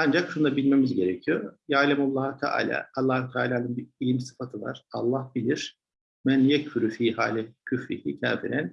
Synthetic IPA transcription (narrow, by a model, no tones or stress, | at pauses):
and͡ʒakʃund̪abilʲme̞mizɟe̞ɾɛcʰijojaːlʲɛmalˠːahɯt̪ʰɛʔa̰ːlʲa̰ːalˠːahut̪ʰɛaːlʲaːnɯnbiɾilʲimsɯ̥fat̪ʰɯva̰ɾ̥alˠːahbilʲiɾ̥ | mɛnijɛcfyɾyfiːhaːlʲɛcʰyfɾḭhit̪ʰæ̰ːfiɾæn